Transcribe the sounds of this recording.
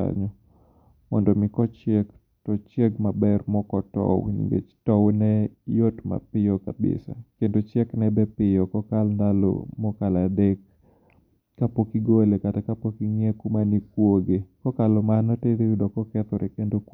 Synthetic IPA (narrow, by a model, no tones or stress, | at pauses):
a̰ɲɔ | mɔndomɪkɔt͡ʃek | tɔt͡ʃeɡmabɛrmɔkɔtɔ̰wnḭŋɡḛt͡ʃtɔwnɛjotma̰pɪjɔkabɪ̰sa̰kendot͡ʃjɛknɛbɛpɪjɔkɔkalnd̪alo̰mɔkaladekː | apokiɡolekatakapokiŋekumanikwoɡekɔkalɔmanɔteɾeudɔkɔkɛt̪ɔɾɛkendok